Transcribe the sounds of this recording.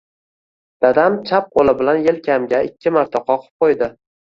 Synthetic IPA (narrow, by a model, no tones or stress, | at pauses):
d̪̥ad̪amt͡ʃʰap̚qʰolˠɪbɪlanjelkʲʰamɡʲaɪkʲːɪmaɾt̪ʰaqʰɒqʰɨ̥p̚qʰojd̪ɪ